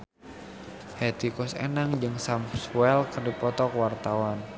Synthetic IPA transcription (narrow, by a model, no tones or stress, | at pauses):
hɛt̪ikɔsḛnaŋd͡ʒɨŋsamswɛlkərdipɔt̪ɔkwart̪awan